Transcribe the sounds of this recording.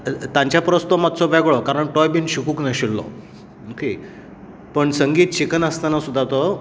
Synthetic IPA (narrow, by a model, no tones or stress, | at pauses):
t̪ãɲt͡ɕjapɾəst̪ɔmat̪̚t͡sɔʋɛɡɭɔkaɾəɳʈɔjbinɕikuːknəɕiɭːɔ̰ | mokʰe | pəɳsəŋɡiːt̪̚t͡ɕikənəst̪anasud̪ʱːat̪ɔ